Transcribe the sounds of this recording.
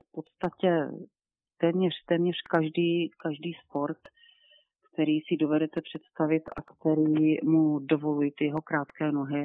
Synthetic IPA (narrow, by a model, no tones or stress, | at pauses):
fpo̞t̪st̪acɛ | t̪ɛːmɲɛr̝̥t̪ɛːmɲɛr̥kaʒdiːkaʒdiːspo̞ɾt̪ | kt̪ɛɾiːsɪdo̞vɛdɛt̪ɛpr̝̥ɛt̪st̪avɪt̪akt̪ɛɾiːmudo̞vo̞lujɪt̪ɪjɛɦo̞kɾaːt̪kɛːno̞ɦɪ